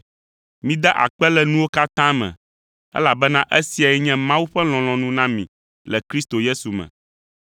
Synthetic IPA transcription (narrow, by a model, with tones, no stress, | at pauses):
mĩ˦d̪ɛ˦ʔa̰˨k͡pɛ˦lɛ˨nũ˦wo˦ka˦t̪ã˦mɛ̰̃˨ | ɛ̰˦la˨bɛ˦nã˦ʔɛ˦si˨a˨ɛ˦ɲɛ̃˦mã˦wu˦ɸɛ˦l̃ɔ̃˨l̃ɔ̃˨nũ˦nã˦mĩ˨ | lɛ˨kɾi˦st̪o˨je˦su˨mɛ̰̃˨